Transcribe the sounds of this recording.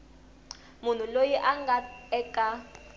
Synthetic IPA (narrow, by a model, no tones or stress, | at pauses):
mun̤ulojiʔaŋɡʱaɛkʼa